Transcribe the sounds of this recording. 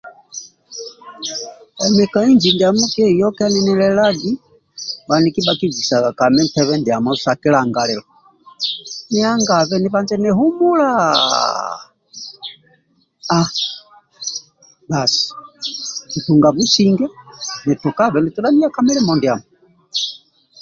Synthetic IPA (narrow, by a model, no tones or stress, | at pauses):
ɛmɛkaind͡ʒindiamukɛjɔkaninɛlɛlaɡi | banikibakid͡ʒisaakamɛm̩pɛβɛndiamɔsakilaŋɡalɛlɔ | niaŋɡaβɛniβand͡ʒɛnɛɦumula | a | basi̥ | nituŋɡaβusiŋɡɛnitukaβɛnitulamiakamɛlɛmɔndiamɔ